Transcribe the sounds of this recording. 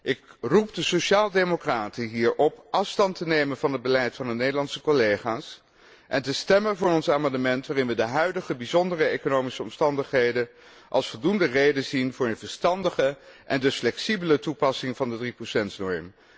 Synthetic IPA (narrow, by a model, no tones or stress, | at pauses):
ʔɪkrup̚dəsoʃaːlˠdemokraːtəɦiːɹʔɔpʔɑfstɑntənejmənvɑnɦəd̚bəlɛjtfɑndənejdəlɑnsəkolejχaːs | ʔɛntəstɛmənvʊːɹɔnsaːmɑndəmɛntʋaːrɪnʋədəɦœɥdəχəbizɔndərəejkonowmisəɔmstɑndəχɦejdə | ʔɑ̰lˠsfɔlˠdundərejdənzinvʊːɹənvəɹstɑndəχəʔɛndəsflɛksibələtupɑsɪŋvɑndədriprosɛntnɔɹm